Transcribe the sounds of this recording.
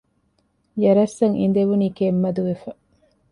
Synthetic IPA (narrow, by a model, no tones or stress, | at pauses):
jɐɾɐsːɐŋʔḭnd̪eʋuniːkemːɐd̪uʋefɐ